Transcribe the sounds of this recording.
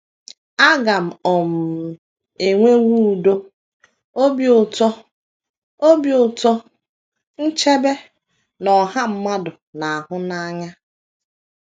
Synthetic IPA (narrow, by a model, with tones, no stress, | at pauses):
a˦ɡa˨m̩˨ɔ˨m̩˨ | e˨ŋʷe˦wu˦˨do˦ | o˦bi˨ʊ˨tɔ˦ | o˦bjʊ˨tɔ˦ | n̩˦t͡ʃe˦be˦ | nɔ˨ɦa˦m̩˦ma˦dʊ˨na˨ɦʊ˦na˦ɲa˦